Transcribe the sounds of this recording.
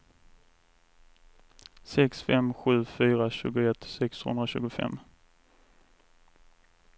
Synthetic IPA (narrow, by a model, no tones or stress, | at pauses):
sɛksfɛmɧʉ̟ːfyːɾaɕʉ̟ːɡʊɛt̪ːsɛkshɵ̰nd̪ɾaɕʉ̟ːɡʊfɛ̰mː